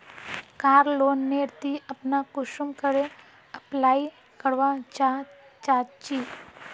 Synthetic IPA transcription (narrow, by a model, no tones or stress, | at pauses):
kaːɾloːnːeɾt̪iəpnakʊʃumkəɾe | əplaːi | kəɽʋãt͡ʃa | t͡ʃat͡ʃi